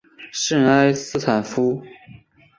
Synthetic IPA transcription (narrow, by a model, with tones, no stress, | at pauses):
ʂə˥˧ŋa˥ɪsɹ̩˥˩ʈ͡ʂʰa˨˩nfu˥